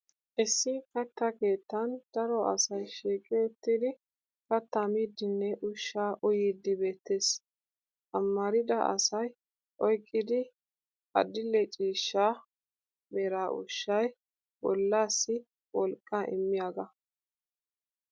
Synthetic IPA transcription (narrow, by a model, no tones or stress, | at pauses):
ʔɛsːɪkɐt̪ːɐkeːt̪ːɐnd̪̥ɐɾɔʔɐ̰sɐjʃiːkʼɛɔt̪ːɪd̪ɪ | kɐt̪ːɐmiːd̪ːɪnːɛʔʊʃːaːʔʊjiːd̪ɪbe̞ːt̪ːe̞ːs | ʔɐmːɐɾɪd̪ɐʔɐ̰sɐj | ʔɔjkʼːɪd̪ɪ | ɐ̰d̪ɪlːɛt͡ʃʼiːʃːaː | bɛɾaːʔʊ̰ʃːɐj | wɔlːaːsːɪ | wɔlkʼːaʔɪ̰mːɪjaːɡɐ